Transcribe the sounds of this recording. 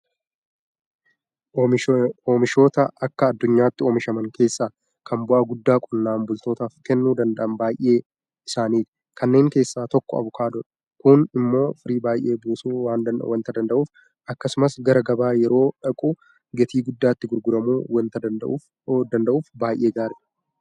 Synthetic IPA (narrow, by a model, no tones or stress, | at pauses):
oːmɪʃo̞ːt̪ɐʔɐkːɐːd̪ːʊɲːaːt̪ːɪoːmɪʃɐmɐŋkʰe̞ːsːaː | kʰɐmbʊʔɐɡʊd̪ːaːkʼʊnːaːmbʊlt̪o̞ːt̪aːfkɛnːuːd̪ɐnd̪ɐʔɐnbaːjʔe̞ː | ɪsaːniːt̪ | kʰɐnːe̞ːŋke̞ːsːaːt̪ɔkːɔ̰ɐ̰bʊkʰaːd̪ɔᶑ | kʊnɪmːo̞ːfɪɾiːbaːjʔe̞ːbuːsuːwaːnwɐnt̪ɐd̪ɐnd̪ɐʔuːf | ʔɐkːɐsʊmɐsɡɐɾɐɡɐbaːjɛɾo̞ːᶑɐkʼʊ | ɡɛt̪iːɡʊd̪ːaːɪt̪ːɪɡʊɾɡʊɾɐmuːw̪t̪ɐ | d̪ɐnd̪ɐʔuːfbaːjʔe̞ːɡaːɾɛ